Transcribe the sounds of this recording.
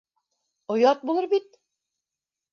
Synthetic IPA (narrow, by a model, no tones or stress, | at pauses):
ŏjɑt̪̚bulˠɤɾbit̪̚